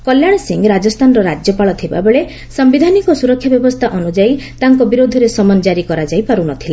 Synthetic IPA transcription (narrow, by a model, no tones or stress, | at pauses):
kɔljaɽ̃ɔsiŋɡɾad͡ʒɔst̪ʰanɔɾɔɾad͡ʒjɔpaɭɔt̪ʰiba̰beɭe | sɔmbid̪ʱanikɔsuɾɔkʰːjabjɔbɔst̪ʰaʔɔnud͡ʒait̪aŋkɔbiɾod̪ʱɔɾesɔmɔnd͡ʒaɾikɔɾad͡ʒajpaɾunɔt̪ʰila